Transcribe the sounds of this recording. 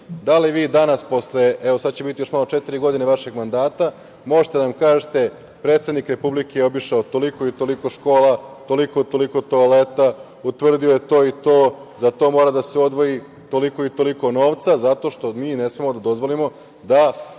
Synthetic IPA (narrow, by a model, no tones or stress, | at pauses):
d̪aliʋiːd̪anaspo̞sleeʋo̞sad̪̚t͡ɕebit̪ijoʃmalot͡ʃet̪iɾiɡo̞d̪ineʋaʃe̞ɡmand̪aːt̪a | mo̞ʒet̪eanamkaːʒet̪e̞ | pɾe̞ːt̪sed̪nikɾe̞publikejeo̞biʃaot̪o̞liko̞it̪o̞likoʃko̞ːlat̪o̞liko̞t̪o̞liko̞t̪oalet̪a | ut̪ʋr̩d̪iojet̪o̞ːit̪oːzat̪o̞moːɾad̪aseo̞d̪ʋo̞ji | t̪o̞liko̞it̪o̞liko̞no̞ːʋt̪sazat̪o̞ːʃt̪o̞miːnesmemod̪ad̪o̞zʋo̞limo̞ | d̪a